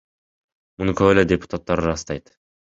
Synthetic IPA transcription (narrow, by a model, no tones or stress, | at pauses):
munukʰoweledʲepʊ̥t̪at̪ːɑɾɾɑst̪ɑjt̪